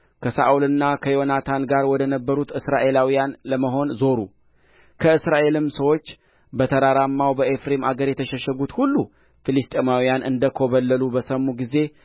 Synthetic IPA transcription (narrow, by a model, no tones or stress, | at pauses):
kʰəsa̰ʔulɨnːakʰəjo̞nat̪ʰanɡaɾwɔd̪ənəbːəɾut̪ɨsɾaʔe̞lawijanləməɦo̞nzo̞ɾu | kʰəɨsɾaʔe̞lɨmsəwo̞t͡ʃː | bət̪ʰəɾaɾamːawbəʔefɾemaɡəɾjɛt̪ʰəʃəʃɛɡut̪hulːu | filist̪ʼemawijanʔɨnd̪əkʰo̞βəlːəlubəsəmːuɡize̞